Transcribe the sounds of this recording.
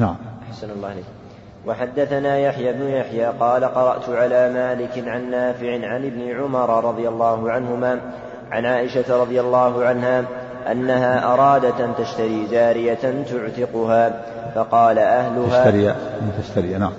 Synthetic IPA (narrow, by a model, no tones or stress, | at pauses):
naʕamʔaħsanalːɑːhleːkm | wɑħad̪ːaθanaːjaħjaːbnʊjaħjaːqɑːlaqɑɾˤɑʔt̪ʊʕalaːmaːlɪkɪnʕanːaːfɪʕɪʕanɪbnɪʕʊmɑɾˤɑɾˤɑd̪ˤɨjalˤːɑːhʊʕanhʊmaː | ʕa̰nʕaːʔɪʃat̪ɾˤɑðˤɨjalːɑːɦʊʕanhaː | ʔa̰nːaɦaːʔɑɾˤɑːd̪at̪ʔant̪aʃt̪aɾiːd͡ʒaːɾɪjaant̪ʊʕt̪ɪqʊhaː | fɑqɑːlaʔahlʊahʃaːaɾaʔnt̪aʃt̪aɾinaʕam